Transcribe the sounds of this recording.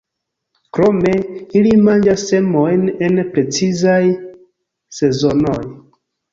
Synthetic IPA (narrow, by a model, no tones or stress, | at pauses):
kɾomeilimand͡ʒasːemojnenpɾet͡sizaj | se̞zonoj